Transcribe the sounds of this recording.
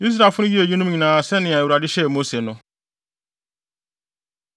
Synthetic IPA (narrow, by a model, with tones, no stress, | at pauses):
i˦z̬ɾa˨fʊ˦nĩ˦ɡi˦e˨d͡ʒi˦nũ˦ɲĩ˨na˨se˦nɪ̃˨a˨e˨ɾa˨dɪ˦ʃe˦˨mo˦se˨nʊ˨˦